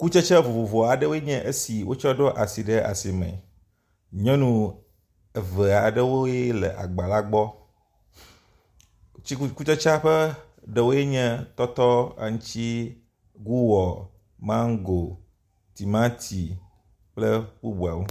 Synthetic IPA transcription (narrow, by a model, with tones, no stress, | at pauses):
ku˦t͡ʃɛ˦t͡ʃɛ˦vo˨vo˨vɔ˨a˨ɖə˦wo˦je˦ɲɛ̃˦ʔe˦si˨wo˦t͡ʃɔ˦ɖɔ˦ʔa˨si˨ɖɛ˦ʔa̰˨si˨mɛ̰̃˨ | ɲɔ̃˦nũ˦ | e˨vɛ˨a˨ɖɛ˦wo˦jɛ˦lɛ̰˨ʔa̰˨ɡ͡ba˨la˦ɡ͡bɔ˦ | i˦ku˦t͡ʃɛ˦t͡ʃa˦ɸɛ˦ | ɖɛ˨wo˦jɛ˦ɲɛ̃˦t̪ɔ˦t̪ɔ˦a̰˨ŋũ˦t͡ʃi˦ | ɡu˦wɔ˨ | mã˦ŋ˦ɡo˨ | t̪i˨mã˦t̪ʰi˨ | k͡ple˦bu˦bu˨a̰˨me˦